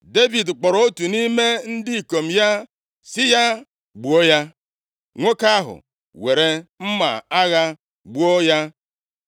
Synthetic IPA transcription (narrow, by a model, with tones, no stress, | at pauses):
de˦vi˨dk͡pɔ˨ɾo˨˦o˦tu˨ni˦me˦n̩˦dɪ˦˨ko˨m̩˨ja˦ | sɪ˦ja˦ | ɡ͡bu˨o˦ja˦ | ŋʷo˦ka˦ɦʊ̰˨ | we˨ɾe˦m̩˦ma̰˨a˦ɣa˦ | ɡ͡bu˦o˦ja˦